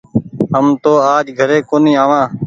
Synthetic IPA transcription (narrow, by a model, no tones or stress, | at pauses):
ɦəmt̪oːaːd͡ʒɡʱəɾeːkoːniːaːʋãː